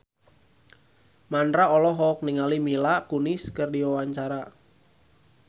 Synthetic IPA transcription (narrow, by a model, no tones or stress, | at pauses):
mandɾaɔlɔɦɔk̚niŋalimilakuniskɨrdiwawaɲt͡ʃaɾa